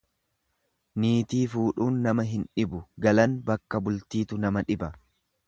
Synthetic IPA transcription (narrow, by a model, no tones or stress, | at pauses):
niːt̪iːfuːᶑuːnːɐmɐɦɪnᶑɪbʊɡɐlɐnbɐkːɐbʊlt̪iːt̪ʊnɐmɐᶑɪbɐ